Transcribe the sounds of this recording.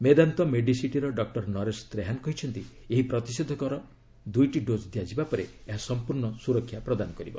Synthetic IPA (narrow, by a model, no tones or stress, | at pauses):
med̪ant̪ɔmeɖisiʈiɾɔɖɔk̚ʈɔɾnɔɾest̪ɾeɦanɔkɔɦit͡ʃʰɔnt̪ieɦipɾɔt̪isɔd̪ʱɔkɔɾɔ | d̪ujʈiɖod͡ʒd̪ʱijad͡ʒibapɔɾeeɦasɔmpuɾɳɔsuɾɔkʰːjapɾɔd̪anɔkɔɾibɔ